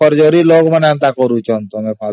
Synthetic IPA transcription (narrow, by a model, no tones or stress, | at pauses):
ɔɾd͡ʒoɾiloːɡmənant̪akɔɾut͡ʃɔnt̪ɔmɛpʰa